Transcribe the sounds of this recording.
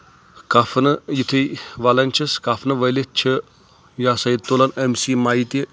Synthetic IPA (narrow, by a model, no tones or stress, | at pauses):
kafʰnɐjit̪ʰiʋaːlɐnʲt͡ʃʰɐskafʰnɐʋɐjlitt͡ʃʰə | jaːsɐjid̪̚t̪oːlɐnemsimaːit̪i